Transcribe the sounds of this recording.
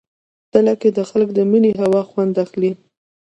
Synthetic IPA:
t̪əlaked̪əxaləkd̪əməneɦawɑxwand̪axli

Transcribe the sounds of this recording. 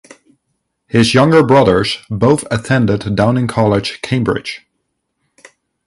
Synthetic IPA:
hɪzjʌ̃ŋɡə˞bɹʌðə˞z̥boʊθɨtʰɛ̃ndɨddãʊ̃nɪ̃ŋkʰɑlˠɪd̥ʒ̥kʰẽɪ̃mbɹɪ̰d̥ʒ̥

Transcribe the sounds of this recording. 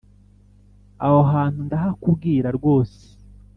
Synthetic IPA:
ahoɦaːn̥hundaɦakubɡiːɾaɾɡo̞ːse̥

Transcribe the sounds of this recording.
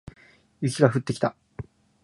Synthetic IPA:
jɯkʲiɡaɸɯ̟t̪ːe̞kʲi̥t̪a

